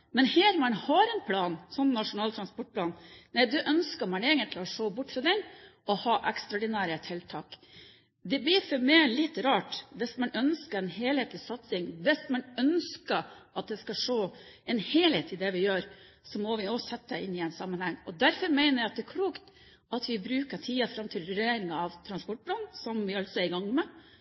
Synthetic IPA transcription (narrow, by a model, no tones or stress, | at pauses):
mɛnheːɾmɑnhɑɾɛnpʰlɑːnsɔnːɑʂʊnɑːlt̪ʰɾɑnspɔʈ̚pʰlɑːnnæɪd̪ʉʔœnskəɾmɑneːɪŋənt̪ʰlɔʂoːbʊʈːfɾɑd̪ɛnɔhɑːʔɛkst̪ɾɑɔːd̪ɪnæːɾət̪ʰɪlt̪ʰɑːk | d̪ɛblɪɾfɔɾmɛɪlɪt̪ːɾɑːʈʋɪsmɑnœnskəɾɛnheːlheːt̪lɪsɑt̪sɪŋʋɛsmɑnœnskəɑt̪̚d̪ɛskɑʂoːɛnheːlheːt̪ɪd̪ɛʋɪjøːɾ | sɔmɔʋɪoːsɛt̪ːəʔɪnːɪɛɪnsɑmːənhɛŋːɔd̪æɾfɔɾmæɪnəɾjæɪɑt̪̚d̪ɛækʰɽuːkt̪ | ɑt̪ʋɪbɾʉːkəʈʰiːɑfɾɑmt̪ʰɪlɾʉɾeːɾɪŋɑɑʋt̪ʰɾɑnspɔʈ̚bɾɑnsɔmʋɪɑlt̪sɔæɾɪɡɑŋːmɛ